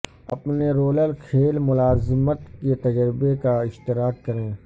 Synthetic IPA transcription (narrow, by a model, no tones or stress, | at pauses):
ɐ̰pneɾoːləlkʰeːlmʊlaːzmət̪ket̪ɐd͡ʒɾɪbekaɪʃt̪ɪɾaːkːɐɾẽː